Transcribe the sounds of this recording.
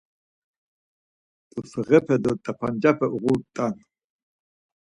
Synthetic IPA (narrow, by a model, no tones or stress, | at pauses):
t̪ʼusɨʁɛpʰɛd̪ɔt̪ʼapʰand͡ʒapʰɛʔuʁut̪ʼan